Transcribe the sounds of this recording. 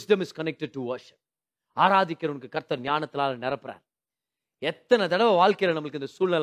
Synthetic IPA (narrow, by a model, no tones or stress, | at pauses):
sɖɐmɪskɐnɛk̚ʈɛɖ̚ʈuʋɐɾʂɪ̥p̚ | aːɾaːðɪkːɪɾɐʋɐnɐkːɯkɐɾt̪ːɐɾnjaːnɐt̪ːɪlaːlɐnɛɾɐpːɪɾa̰ːɾ | ɛt̪ːɐnɐd̪ɐɽɐʋɐʋaːlkɐjɐlɐnɐmːɐɭɯkːɪnd̪ɐsuːlnɐl